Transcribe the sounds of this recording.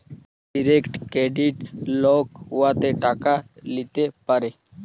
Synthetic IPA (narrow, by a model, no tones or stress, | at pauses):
ɖiɾeːkʈkeːɖiʈloːkɦʊʋat̪eʈaːkalit̪epəɾeː